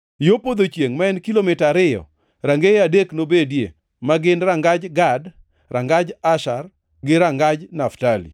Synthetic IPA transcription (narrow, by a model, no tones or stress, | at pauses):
jopod̪ot͡ʃjeŋmaɛnkilomɪtaɾɪjɔ̰ | ɾaŋɡeadeknobedjḛ | maɡɪnɾaŋɡad͡ʒɡad | ɾʔaŋɡad͡ʒaʃar | ɡɪɾaŋɡad͡ʒnaftalḭ